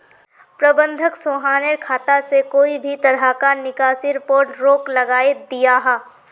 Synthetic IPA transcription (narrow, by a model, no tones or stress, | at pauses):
pɾɐbə̃nd̪ʱəksoːɦaːneɾkʰaːt̪asekoːibʱit̪ɐɾɦakanɪkaːsiɾɪpoːɾʈɾoːklɐɡaːed̪ijaɦɛː